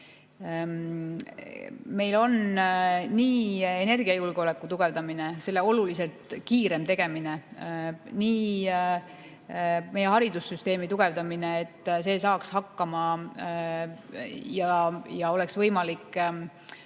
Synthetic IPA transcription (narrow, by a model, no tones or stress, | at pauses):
me̞jlo̞n | niːene̞rɡ̥iɑjulɡ̥ole̞kːˑut̪uɡ̥e̞vd̪ɑminese̞lːe̞o̞lulise̞lt̪kiːɾe̞mt̪e̞ɡ̥e̞mine | niː | me̞je̞ɦɑɾid̪usːyst̪e̞ːmit̪uɡ̥e̞vd̪ɑmine̞ːt̪ːse̞ːsɑːkshɑkːɑmɑ | jɑjɑo̞le̞ksvɤjmɑlikː